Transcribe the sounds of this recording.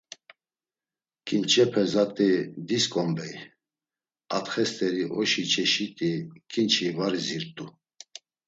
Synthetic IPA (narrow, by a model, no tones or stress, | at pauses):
kʼint͡ʃʼʰɛpʰɛzat̪ʼid̪iskʼɔmb̪ɛj | at̪χɛst̪ʼɛɾiʔɔʃit͡ʃʰɛʃit̪ʼikʼint͡ʃʰivaɾiziɾt̪ʼu